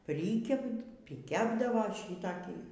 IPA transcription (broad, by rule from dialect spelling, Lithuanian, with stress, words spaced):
ˈpʲrʲiːkʲɛp pʲrʲiːˈkʲæːbdɐʋoː ˈʃʲiːtɐkʲiː